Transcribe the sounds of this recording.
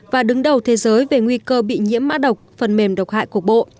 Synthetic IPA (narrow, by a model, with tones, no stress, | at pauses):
vaː˨˩ɗɨ˨˦ŋɗə˨˩wt̪ʰe˨˦zəː˨˦jve˨˩ŋwi˧kəː˧ɓḭ˧˨ɲḭ˧˥əmːa̰ː˧˥ɗə˨˩wk͡p̚fə˨˩nme˨˩mɗə˨˩wk͡p̚ha̰ː˧˨jku˨˩ək̚ɓo̰˧˨ʔ